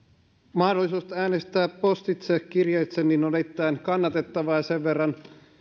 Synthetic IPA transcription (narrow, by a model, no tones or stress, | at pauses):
mɑhdolːˑisuːst̪æːnest̪æːpːost̪it̪sekkirjejt̪senːinodet̪ːˑæːnkɑnːɑt̪et̪ːɑʋɑjɑseʋʋerːɑn